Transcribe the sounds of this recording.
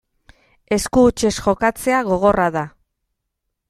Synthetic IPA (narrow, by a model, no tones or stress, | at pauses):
e̞skuːt͡ʃe̞sʝo̞kat͡se̞aɣo̞ɣ̞o̞raða